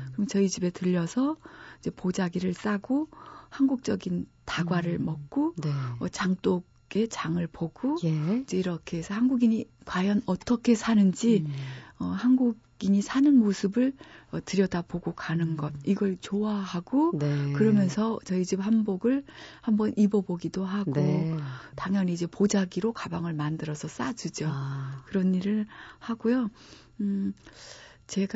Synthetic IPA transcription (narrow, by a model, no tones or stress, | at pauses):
kɯɾʌmt͡ɕʌid͡ʑibe̞tɯʎːʌsʰʌid͡ʑe̞pod͡ʑaɡiɾɯɭs͈aɡohanɡuk̚t͡ɕ͈ʌɡintaɡwaɾɯɭmʌk̚k͈onʌt͡ɕaŋt͈oɡɡe̞t͡ɕaŋɯɭpoɡ̥oid͡ʑe̞iɾʌkʰe̞sʰʌhanɡuɡiɲikwajʌnʌt͈ʌkʰe̞sʰanɯnd͡ʑiʌhanɡuɡ | iɲisʰanɯnmosʰɯbɯɭʌtɯɾjʌdapoɡokanɯnɡʌt̚iɡʌɭt͡ɕoahaɡonkɯɾʌmjʌnsʰʌt͡ɕʌid͡ʑiphanboɡɯɭhambʌnʔibʌboɡidoɦaɡotaŋɲʌniid͡ʑe̞pod͡ʑaɡiɾokabaŋɯɭmandɯɾʌsʰʌs͈ad͡ʑud͡ʑokɯɾʌniɾɯɭhaɡ̥ojo | t͡ɕe̞ɡ